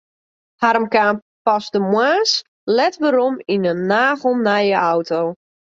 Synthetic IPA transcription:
haɾmkaːm | pasdəmwaːs | lɛtʋəɾominənaːɣəl̩ˠnajəʔawtʰoː

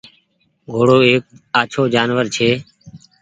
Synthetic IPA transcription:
ɡʱoːɽoːeːk̚aːt͡ʃʰoːd͡ʒaːnʋəɾt͡ʃʰeː

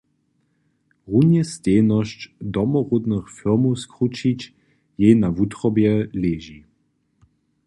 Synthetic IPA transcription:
ʁunjɛsteːnɔɕt͡ɕd̪ɔmɔʁud̪nəxfiʁmowskʁut͡ʃit͡ɕ | jenavut̪ʁɔbjɛleːʒi

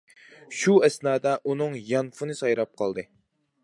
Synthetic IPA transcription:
ʃuɛsnɑːd̪ɛʔunɨŋjɑnfɨnɨsɑjɾɑp̚qʰɑlˠd̪ɨ

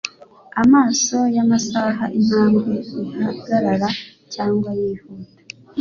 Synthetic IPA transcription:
amaːso̞jamasaɦaʔin̥haːmɡeiɡaha̰ɡaɾaɾa | caːŋɡwajiːhuːda

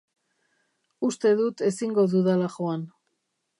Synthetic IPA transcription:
ust̪e̞ðut̪e̞siŋɡo̞ðuðalaʝoan

